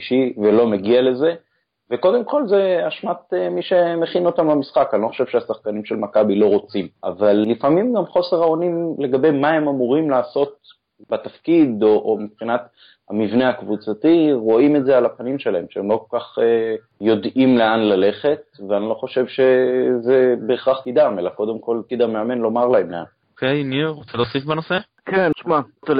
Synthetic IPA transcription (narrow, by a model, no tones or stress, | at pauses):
ʃivelo̞meɡiale̞ze̞ | veko̞d̪e̞mko̞lze̞aʃmat̪emiʃe̞meχino̞t̪amlamisχakanilo̞xχoʃe̞vʃeasaχkanimʃe̞lmakabilo̞ʁo̞t͡simʔa̰valːifamimɡamχo̞se̞ʁaonimle̞ɡabe̞jmaemamuʁimlaːso̞t̪̚ | bat̪afkid̪oʔːmipχinat̪ | hamivneakvut͡satiʁo̞imetzealapanimʃe̞lae̞mʃeemlo̞kolkaχe | jo̞dimle̞anlale̞χe̞t̪̚veanilo̞χo̞ʃe̞vʃe̞zebeːχaχkid̪amelako̞d̪e̞mko̞lkid̪ameame̞nlo̞maʁlae̞mlea̰nokejniʁot͡seloːsifbano̞se | kenʃmate